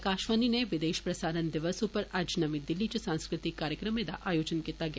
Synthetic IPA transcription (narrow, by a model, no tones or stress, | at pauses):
kaːʃʋanineʋɪd̪eːʃpɾɐsaːɾənd̪ɪʋəsupəɾad͡ʒnɐmid̪ɪlːit͡ʃɐsãnskɾɪt̪ɪkːaːɾjəkɾəmed̪a̰ʔaːjoːd͡ʒənkit̪aɡja